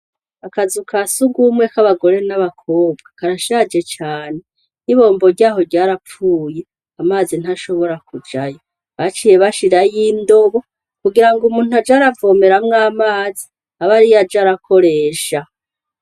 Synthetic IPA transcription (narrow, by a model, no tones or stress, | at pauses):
akazukʰasuɡumŋwekaβaɡo̞ɾe̞naβakʰo̞ːb̚ɡakaɾaʃaːd͡ʒe̞t͡ʃaːne | niβo̞ːmbo̞ɾɟaːɦo̞ɾɟaːɾap͡fuːje̞ | amaːzin̥haʃo̞βo̞ɾakud͡ʒajo | βat͡ʃije̞βaʃiɾajindo̞βo̞ | kuɡiɾaŋɡumuːn̥uhad͡ʒaɾavo̞ːme̞ɾamŋaːmaːzi | aβaɾijad͡ʒaɾakʰo̞ɾe̞ːʃa